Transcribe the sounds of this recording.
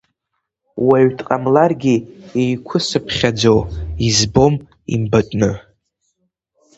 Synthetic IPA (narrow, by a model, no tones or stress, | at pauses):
waɥtʰʼqʼamlarɡʲiejkʷʰʊsɨpʰχʲad͡zowizbo̞m | ḭmbatʷʼnɨ